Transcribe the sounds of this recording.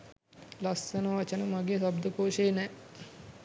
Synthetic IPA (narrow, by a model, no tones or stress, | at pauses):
lasːənəʋɐt͡ʃənəmaɡeːsabd̪əkoːʃeːnɛ